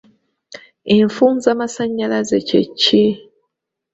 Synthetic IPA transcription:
eɱfuːnzaːmasaɲːalazecḛcːe

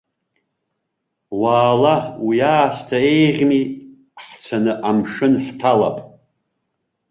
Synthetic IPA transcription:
waːlawiaːstʰaejʁʲmi | ħt͡sʷʰanɨʔamʂɨnħtʰala̰pʼ

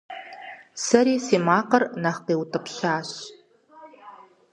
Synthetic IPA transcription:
sɐɾiːseːmaːqɐrnɐχqeːwtʰɐpɕaːɕ

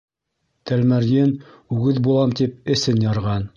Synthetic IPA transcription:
t̪ælmæɾjɘn | ʉɡɘðbulˠɑmt̪ip̚ɘ̆sɘnjɑɾʁɑn

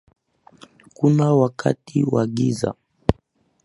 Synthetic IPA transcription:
kunawakʰa̰tiwaɠiza̰

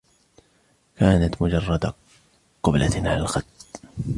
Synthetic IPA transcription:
kaːnat̪mʊd͡ʒɑrˤːɑd̪a | qʊblʔa̰t̪ʕalalxɑt̪ː

